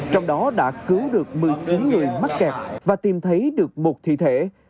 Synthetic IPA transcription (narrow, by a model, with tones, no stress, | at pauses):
t͡ɕɔ˧wŋ͡mɗɔ˨˦ɗa̰ː˧˥kɨ˨˦wɗɨ˨˩ək̚mɨ˨˩əjt͡ɕi˨˦nŋɨ˨˩əjma˦˥t̚kɛ˨˩p̚vaː˨˩t̪i˨˩mt̪ʰə˨˦jɗɨ˨˩ək̚mo˨˩t̚t̪ʰḭ˧˨t̪ʰe˧˩